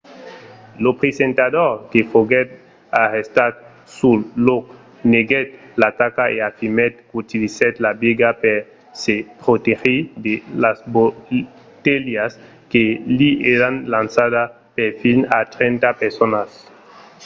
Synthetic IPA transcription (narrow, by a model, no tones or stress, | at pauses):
lopɾesẽnt̪adoɾkefoɡɛt̪̚ | aʁest̪at̪̚ | sullok | neɡɛt̪̚lat̪akaeafimet̪̚kut̪ilisɛt̪labiɡapeɾ | sepɾot̪exid̪elasbo | t̪eljas | kelieɾanlansaða | pefinat̪ɾent̪apeɾsonas